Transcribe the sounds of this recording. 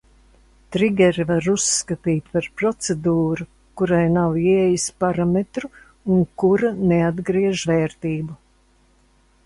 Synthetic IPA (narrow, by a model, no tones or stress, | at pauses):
t̪ɾiɡʲɛɾivaɾusːkat̪iːt̪̚ʲpaɾpɾɔt̪sed̪uːɾu | kuɾajnawiɛjispaɾamet̪ɾu | uŋkuɾanead̪ɡɾiɛʒvɛːɾt̪iːbu